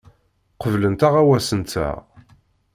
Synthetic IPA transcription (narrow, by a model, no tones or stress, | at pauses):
qəvlənt̪aʁæwæsənt̪t͡sæ̰ʁ